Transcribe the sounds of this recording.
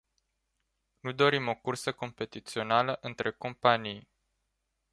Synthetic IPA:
nud̪o̞ɾimo̞kursəko̞mpe̞t̪it̪sio̞naləʔɨnt̪ɾe̞ko̞mpanij

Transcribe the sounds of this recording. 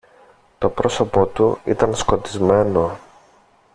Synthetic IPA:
t̪o̞pɾo̞so̞po̞t̪uḭt̪ɐnsko̞t̪izme̞no̞

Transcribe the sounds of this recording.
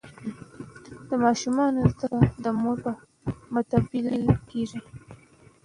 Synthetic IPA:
d̪əmɑʃumɑnolt̪aad̪əmoɾpa | mʊt̪abilkeʐi

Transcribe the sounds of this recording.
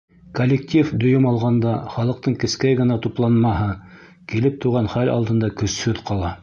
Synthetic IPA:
kolʲːɪk̚tʲifd̪ŏjɵmɑlˠʁɑnd̪ɑχɑlˠɤ̆qt̪ɤɴkɘ̆skæjɡɤ̆nɑt̪uplˠɑnmɑɦɤ | kilɘp̚t̪uʁɑnχælɑ̰lˠd̪ɤ̆nd̪ɑkɵ̆shɵðqɑlˠɑ

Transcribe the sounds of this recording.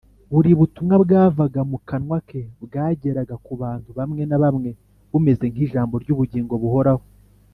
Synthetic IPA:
βuɾiβutumŋabɡaːvaɡamukanwakʰebɡaːɟe̞ɾaɡakuβaːntuβamŋe̞naβamŋe̞ | βume̞ze̞ŋ̥iːʒaːmbo̞ɾɟuːβuɟiːŋɡo̞βuho̞ɾaho

